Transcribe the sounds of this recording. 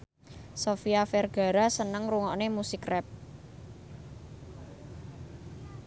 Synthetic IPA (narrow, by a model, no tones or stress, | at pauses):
sofiafɛrɡ̥a̤ɾasənəŋruŋɔʔnemusikrɛp̚